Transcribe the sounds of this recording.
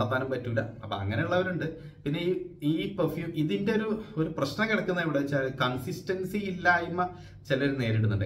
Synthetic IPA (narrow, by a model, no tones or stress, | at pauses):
ɽɐt̪ːaːnumpɐtːuːlːɐ̰ɐpːɐ̰ɐ̰ŋːɐne̞uɭːɐʋɐɾuɳɖɨ | pinːe̞iiːpɐrfjuːmʔiðinde̞o̞ɾuo̞ɾuprɐɕnɐkiɽɐkːunːɐiʋiɽeʋt͡ɕːaːlkɐnsistɐnsiilːaːjimːɐ | t͡ɕelːɐoɾune̞ːɾiɽunːuɳɖḛ